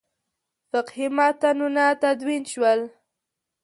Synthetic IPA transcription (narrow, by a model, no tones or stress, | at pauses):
fɪqhimat̪anunat̪ad̪winʃwəl